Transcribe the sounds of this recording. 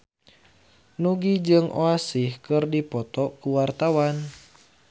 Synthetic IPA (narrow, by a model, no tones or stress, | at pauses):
nuɡid͡ʒɨŋʔo̰asihkɨrdipɔt̪ɔkuwart̪awan